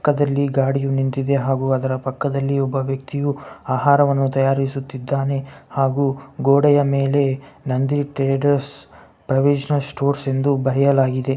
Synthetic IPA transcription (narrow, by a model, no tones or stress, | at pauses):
kːɐd̪ɐlːiɡaːɽijunint̪id̪e̞ɦaːɡuːɐd̪ɐɾɐpɐkːɐd̪ɐlːiɔbːɐʋjɐk̚t̪ijuaːɦaːɾɐʋɐnːut̪ɐjaːɾisut̪ːid̪ːaːne̞haːɡuɡoːɽɛjɐmeːle̞nɐnd̪iʈɾeːɖɐɾs | pɾɐʋid͡ʒɐnɐlsʈoːɾse̞nd̪ubɐɦɛjɐlaːɡid̪e̞